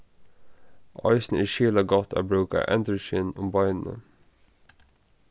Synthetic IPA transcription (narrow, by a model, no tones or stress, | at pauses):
ʔɑ̰ɪsn̩ɪʃiːlɑɡɔt̪ʰæ̰ːbɹʉːka̰ʔɛ̰nd̪əʃɪnʊmbɑɪnn̩ə̰